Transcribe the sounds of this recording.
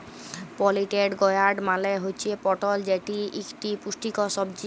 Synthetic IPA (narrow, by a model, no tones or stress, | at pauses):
pɔliʈeɖɡɔjaɾɖmaleɦojt͡ɕʰepɔʈɔld͡ʑeʈiʔikʈipusʈikɔsɔb̚d͡ʑi